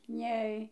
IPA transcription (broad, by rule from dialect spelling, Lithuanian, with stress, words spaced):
ˈnʲɛɪ